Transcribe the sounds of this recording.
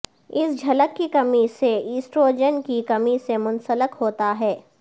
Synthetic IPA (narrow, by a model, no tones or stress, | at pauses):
ɪsd͡ʒʱɐləkːikɐmiseiːsʈɾoːd͡ʒənkikɐmisemʊ̃nsələkɦoːt̪aɦɛː